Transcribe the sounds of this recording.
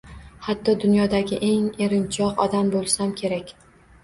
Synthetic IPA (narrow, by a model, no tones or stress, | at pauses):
hat̪ʰːɒd̪ʊnjɒd̪aɡʲɪʔe̞ŋe̞ɾɪnt͡ʃʰɒqɒ̰d̪ambolˠsamkʲʰe̞ɾakʲ